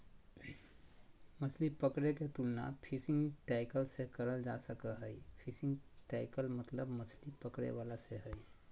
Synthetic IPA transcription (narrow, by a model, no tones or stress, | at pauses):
mɐslipəkɽeket̪ulna̰pʰisɪ̃ŋɡʈaːɪkəlsekəɾəld͡ʒaːsəkəɦəipʰɪsɪ̃ŋɡʈaːɪkəlmɐt̪ləbmɐslipəkɽḛʋaːlaseɦəi